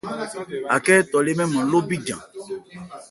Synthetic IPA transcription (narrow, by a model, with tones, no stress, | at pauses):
a̰˨kɛ˦t̪ɔ˨le˦mɛ̃˦mɔ̃˨lo˦bi˦d͡ʒã̰˨